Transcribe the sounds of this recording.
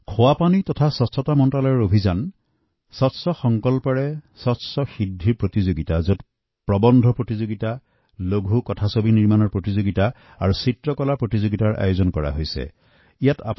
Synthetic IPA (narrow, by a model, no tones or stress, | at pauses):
kʰɔwapanitɔtʰasɔstɔtamɔntalɔjɔɹobʱizan | sɔtsɔxɔŋkɔlpaɹɛsɔtsɔxidʱːiɹpɹotizoɡitazot | pɹɔbɔndʱɔpɹotizoɡita | loɡʱukɔtʰasobiniɹmanɔɹpɹotizoɡita | aɹusitɹɔkɔlapɹotizoɡitaɹʔa̰jozɔnkɔɹa̰ɦojsɛ̰ | ijata̰p